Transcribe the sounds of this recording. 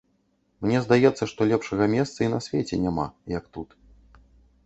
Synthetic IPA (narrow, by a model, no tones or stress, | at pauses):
mnʲɛzd̪ajɛt̪sːɐʂt̪ɔlʲɛpʂɐɣɐmʲɛst̪sɐinɐsʲvʲɛt͡sʲɛnʲama̰jɐk̚t̪ut̪